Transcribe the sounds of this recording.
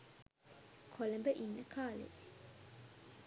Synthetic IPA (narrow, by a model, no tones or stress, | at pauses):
kʰoləmbəʔinːəkʰaːlḛ